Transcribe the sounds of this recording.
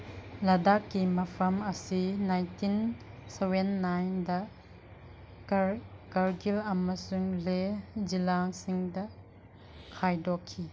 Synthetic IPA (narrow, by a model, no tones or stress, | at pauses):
lɐdakːimɐpʰɐmɐsinajntʰinsewenːajndɐ | kaɾɡilɐmɐsuŋlezilaŋsiŋdɐ | kʰajdɔkʰːi